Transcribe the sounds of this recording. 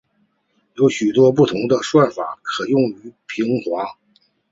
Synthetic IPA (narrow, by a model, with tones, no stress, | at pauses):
jo˧˥ʊɕy˨˩t̪wɔ˥p̬u˥˩t̪ʰʊ˧˥ŋd̪ə˧ʂwa˥˩fa̰˨˩˦kʰɤ˨˩jʊ˥˩ŋy˧˥pʰi˧˥ŋxwa˧˥